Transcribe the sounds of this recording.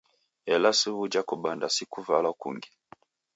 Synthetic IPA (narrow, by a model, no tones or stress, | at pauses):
ɛlasuβud͡ʒakuɓandasikuvalakṵŋɡi